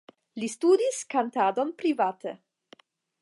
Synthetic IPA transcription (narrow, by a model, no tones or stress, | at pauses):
listudiskantado̞npɾivate